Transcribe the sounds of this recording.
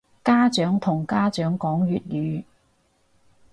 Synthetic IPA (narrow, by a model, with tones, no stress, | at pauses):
kaː˥t͡ʃœː˨˥ŋt̪ʰʊ˨˩ŋkaː˥t͡ʃœː˨˥ŋkɔː˨˥ŋɥyː˨t̚jyː˨˧